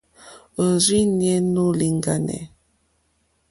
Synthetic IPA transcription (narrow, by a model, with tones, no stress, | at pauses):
o˨zi˦njɛ˦no˦li˨ŋɡa˨nɛ̰˨